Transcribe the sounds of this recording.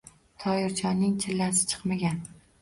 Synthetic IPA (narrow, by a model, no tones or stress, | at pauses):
t̪ʰɒjɪɾt͡ʃʰɒnːɪŋt͡ʃʰɪlːasɪ̥t͡ʃʰɨ̥qmaɡʲan